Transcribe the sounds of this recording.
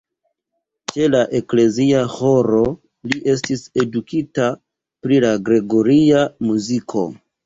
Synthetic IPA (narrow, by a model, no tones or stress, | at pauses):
t͡ʃe̞laʔe̞kle̞ziaho̞ɾo̞ | liʔe̞s̬tise̞dukita | pɾilaɡɾe̞ɡo̞ɾiamuzikʰo̞̰